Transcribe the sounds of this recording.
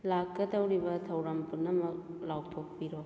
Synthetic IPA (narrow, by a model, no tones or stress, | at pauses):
lakːɐdɐwɾibɐtʰɐwɾɐmpʰunɐmɐk̚lawtʰok̚piɾo